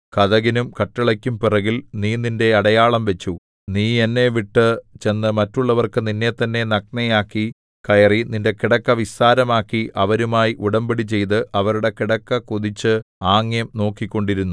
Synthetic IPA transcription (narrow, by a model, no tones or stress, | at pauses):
kɐðɐɣinumkɐʈːɐɭɐkʲːumpirɐɣilniːninde̞ɐɽɐjaːɭɐmʋe̞t͡ɕːu | niːenːe̞ʋiʈːɨt͡ɕe̞nːɨmɐtːuɭːɐʋɐrkɨninːe̞t̪ːɐnːe̞nɐk̚nɐjaːkːi | kɐjɐrininde̞kiɽɐkːɐʋisaːɾɐmaːkːiʔɐʋɐɾumaːjiʔuɽɐmbiɽit͡ɕe̞jt̪̬ɨʔɐʋɐɾuɽe̞kiɽɐkːɐkuðit͡ɕːɨaːŋːjɐmno̞ːkːikʲːo̞ɳɖiɾunːu